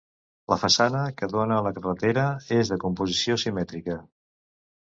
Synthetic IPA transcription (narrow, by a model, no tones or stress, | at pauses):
lʔə̰fəsanəkəðonələkərət̪eɾəezðəkumpuzisiosimɛt̪ɾikə